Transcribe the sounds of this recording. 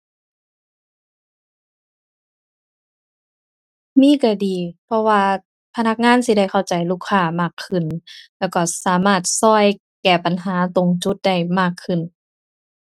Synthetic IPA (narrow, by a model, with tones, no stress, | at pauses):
miː˧˥˨ka˧˩diː˨pʰɔ˧waː˧ | pʰa˧na˧˥k̚ŋaː˧˥˨nsi˧˦da˥˩jkʰa˧˨˩wt͡ɕa˨˩jluː˧˩kʰːaː˧˩maː˧˩kʰːɯ˧˩nlɛː˧˩kɔ˧˩saː˨˦maː˧˩t̪̚sɔː˧˥˩j | kɛː˨˩pa˨nɦaː˨˦t̪o˨˦ŋt͡ɕu˧˦t̪̚da˧˥˩jmaː˧˥˩kʰːɯ˧˩˨n